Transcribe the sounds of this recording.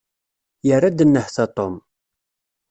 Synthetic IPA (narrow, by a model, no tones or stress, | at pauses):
jərːad̪ənːəħθɑt̪ˤom